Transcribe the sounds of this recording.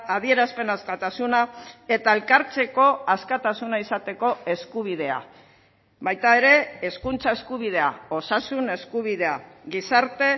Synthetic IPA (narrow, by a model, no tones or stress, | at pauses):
aðie̞ɾaspe̞naskat̪asunae̞t̪ae̞lkaɾt͡se̞ko̞askat̪asunaisat̪e̞ko̞e̞skuβ̞ið̞e̞a̰ | βajt̪ae̞ɾe̞ːskunt͡sae̞skuβ̞ið̞e̞a̰o̞sasune̞skuβ̞iðe̞aɣisaɾt̪e̞